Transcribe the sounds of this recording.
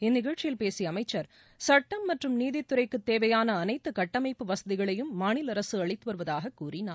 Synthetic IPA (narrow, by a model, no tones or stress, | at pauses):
ɛnːɪɣɐɭt͡ʃːɪjɪlpeːsiɐmɐɪt͡ʃːɐɾ | sɐʈːɐmːɐʈrɯmniːðɪt̪ːɯɾɐɪkːɯt̪ːeːʋɐjaːnɐːnɐɪt̪ːɯkɐʈːɐmɐɪpːɯʋɐsɐðɪɣɐɭɐjɯmːaːɳɪlɐɾɐsɯɐɭɪt̪ːɯʋɐɾɯʋɐðaːɣɐkːuːrɪnaː